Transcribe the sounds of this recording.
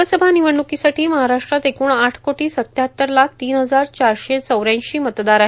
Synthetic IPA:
əsəbʱaniʋəɳːukisaʈʰiːməɦaɾaʂʈɾat̪ekuːɳaʈʰkoʈiːsət̪jaɦət̪ːəɾlakʰt̪iːnɦəd͡zaɾt͡ɕaɾɕet͡səwɾjãɕiːmət̪d̪aɾaɦe

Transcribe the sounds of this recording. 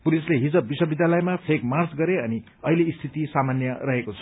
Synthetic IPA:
pulisleɦid͡zʌb̚biswʌbid̪jalʌjmapʰekmart͡sɡʌɾeʌni | ʌileist̪ʰit̪isamanjʌrʌɦekot͡sʰʌ̥

